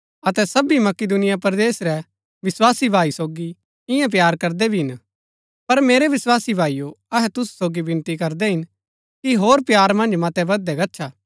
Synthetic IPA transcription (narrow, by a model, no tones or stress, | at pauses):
ɐt̪ɛsɐbimɐkɪd̪ʊnɪjapɐɾd̪eːsɾɛ | ʋɪswaːsibʱaːisoːɡi | ɪ̃jãp̬jaːɾkɐɾd̪ɛbʱiɦɪn | pɐɾmeːɾɛʋɪswaːsibʱaːijoɐɦɛt̪ʊssoːɡibɪ̃nt̪ikɐɾd̪ɛɦɪn | kiɦoːɾpjaːɾmɐ̃nd͡ʒmɐt̪ɛbɐd̪ɛɡɐtːt͡ʃʰaː